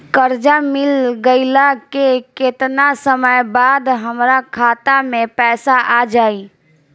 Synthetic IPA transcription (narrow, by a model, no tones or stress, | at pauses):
kəɾd͡ʒamɪlɡəɪlakekɪt̪nasəməjbaːd̪ɦəmɾakʰaːt̪amẽpɛːsaʔaːd͡ʒaːiː